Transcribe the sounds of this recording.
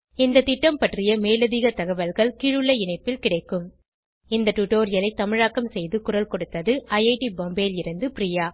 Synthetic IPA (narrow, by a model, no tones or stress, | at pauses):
ɪnd̪ɐt̪ɪʈːɐmpɐʈrɪjɐmeːlɐðiːɣɐt̪ɐɣɐʋɐlɣɐɭkiːɻɯɭːɐɪɳɐɪpːɪlkɪɽɐɪkːɯm | ɪnd̪ɐʈuʈoːɾɪjɐlɐɪt̪ːɐmɪɻaːkɐmsɛjðɯkʊrɐlkɔɽɯt̪ːɐðɯʔɐjɐɪʈibɔmbeːlɪɾɯnd̪ɯpɾijaː